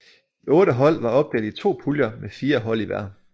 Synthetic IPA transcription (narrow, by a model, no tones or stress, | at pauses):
iɔ̽ːɾəɦɒ̽l̰ʋɑ̈ɒ̽b̥̚d̥ḛːd̥ˠit͡sʰo̝̰ːpʰuljɐmefiːɐɦɒ̽l̰iʋæɐd̥n̩